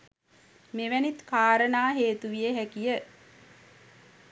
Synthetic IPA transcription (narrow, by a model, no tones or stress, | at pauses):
meʋænit̪kaːɾənaːɦeːt̪uʋijeɦækijə